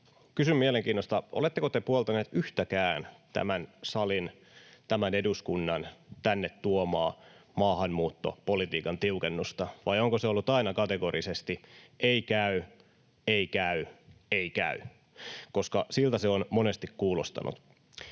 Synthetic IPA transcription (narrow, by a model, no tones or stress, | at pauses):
kysymmieleŋkiːnːost̪ɑʔolet̪ːekot̪epuolt̪ɑneːt̪yht̪ækæːnt̪æ̰mænsɑlin | t̪æmæneduskunːɑnt̪ænːet̪tuomɑːmɑːhɑnmuːt̪ːo̰polit̪iːkɑnt̪iukenːust̪ɑʋɑjoŋkoseolːut̪ɑinɑkɑt̪eɡoɾisest̪ieikæy | eikæyeikæ̰y | ko̞skɑsilt̪æseonmonest̪ikkuːlost̪ɑ̰nṵt̪